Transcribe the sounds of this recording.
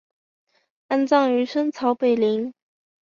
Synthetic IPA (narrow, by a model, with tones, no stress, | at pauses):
a˥nt͡sɑ˥˩ŋy˧˥ʂə˥nt͡sʰɑ˧˥ʊpe˨˩ɪli˧˥ŋ